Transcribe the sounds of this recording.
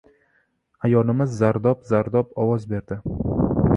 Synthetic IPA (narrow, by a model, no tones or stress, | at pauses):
ajɒlɪmɪzːaɾd̪ɒpzaɾd̪ɒpɒwɒzbe̞ɾd̪ɪ